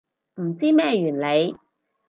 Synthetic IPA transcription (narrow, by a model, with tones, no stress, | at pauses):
m̩˨˩t͡siː˥mɛː˥˩jyː˨˩nle˨˧j